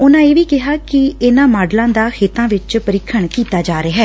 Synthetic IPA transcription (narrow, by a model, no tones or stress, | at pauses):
ʊnãːeːʋiːkɪɦaːkɪɪnãːmaːɖlãːd̪aːkʰeːt̪ãːʋɪt͡ʃpəɾɪkʰːəɳkiːt̪aːd͡ʒaːɾeːɦɛː